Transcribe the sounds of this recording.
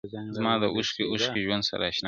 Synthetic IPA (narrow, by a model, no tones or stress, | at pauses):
zmaːdaʔʊskʲiʔʊʃkʲid͡ʒʊwɐnsa̰ɾa̰ʃɪna